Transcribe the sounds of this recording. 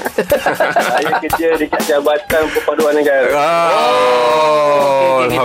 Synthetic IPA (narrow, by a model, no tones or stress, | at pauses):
ajakətiədikaʔd͡ʒabat̪anpəpaduanːəɡaɾa